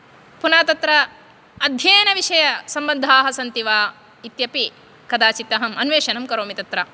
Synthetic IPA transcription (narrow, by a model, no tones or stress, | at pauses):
punaːt̪ɐt̪ɾɐː | d̪ʱjɐːnɐʋiʂɐjɐsɐmbɐnd̪ʱaːɦɐsɐnt̪iʋaː | it̪jɐpi | kɐd̪aːt͡ʃit̪ːɐɦɐmɐnʋeːʃɐnɐmkɐɾoːmit̪ɐt̪ɾɐ